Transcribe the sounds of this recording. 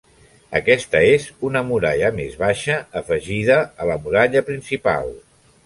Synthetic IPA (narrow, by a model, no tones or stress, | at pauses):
ə̰kɛst̪əezunəmuɾaʎəmḛzβaʃəːfəʒiðəːləmuɾaʎəpɾinsipa̰lˠ